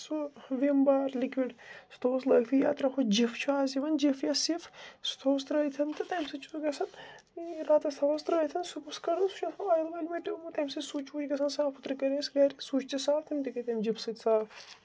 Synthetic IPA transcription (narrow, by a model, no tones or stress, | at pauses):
suʋimbaːɾlikwiɖst̪ʰoːslɐɡt̪ʰija̰ːt̪ɾɐxʰod͡ʒift͡ʃʰuaːziʋɐnd͡ʒifjasifst̪ʰoːst̪ɾɐjt̪ʰɐnt̪ɨt̪ɐjmsɨt͡ʃʰuɡɐsɐn | ɾat̪ɐst̪ʰɐʋɐst̪ɾəjt̪ʰɐnsupuskɐɾsu̥t͡ʃʰɐoɐjlʋɐlʲmet̪umut̪ɐmʲsɨsuːt͡ʃud͡ʒɡɐsɐnsaːfʰut̪ɾikɐɾesɡɐɾisuːt͡ʃt͡ʃ̪isaːlt̪ʰimt̪ikɐt̪ɐmd͡ʒifsɨt̪ʲsaːf